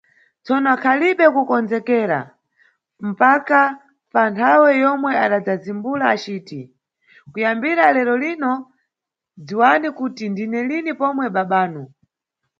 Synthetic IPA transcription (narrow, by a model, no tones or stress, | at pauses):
t͡sɔnɔkʰaliɓɛkukɔnd͡zɛkɛːɾa̰ | m̩paka | pantʰawɛjɔmwɛaɗad͡zazimbulaːt͡ʃiːti | kujambiɾalɛɾɔlinɔ | d͡ziwanikutindinɛlinipɔmwɛɓaɓaːnu